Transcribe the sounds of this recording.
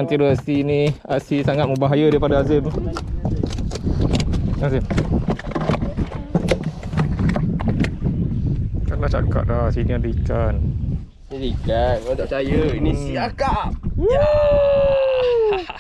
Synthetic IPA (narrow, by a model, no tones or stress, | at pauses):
ant̪iduasiniasisaŋat̪̚məbaɦajadaipadaazem | azɪm | kanlaht͡ʃa̰ka̰ʔ̚dahsiniɔ̃ndikan | ilikatod̪aʔt͡ʃajəiniiakap̚